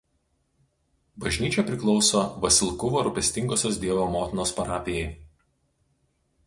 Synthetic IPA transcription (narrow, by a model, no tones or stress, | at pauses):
bɐʒʲnʲiːt͡ʃʲɛpʲɾʲɪklˠɒʊsoːʋɐsʲɪlˠkʊʋoːɾʊpʲɛsʲt̪ʲɪŋɡoːsʲoːsd̪ʲiɛʋoːmoːt̪ʲɪnoːspɐɾɑːpʲɪjɛɪ